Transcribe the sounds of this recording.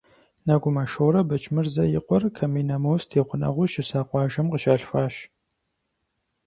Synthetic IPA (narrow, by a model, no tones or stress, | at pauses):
nɐɡʷʊmɐʃoːɾɐbɐt͡ʃʼmɨrzɐjɪ̰qʷɔrkʰɐmiːnɐmɐwstʰeːqʷʊnɐ̰ʁʷʊʃɪsaːqʷɑːʒɐmqəʃaːɬfaːʃ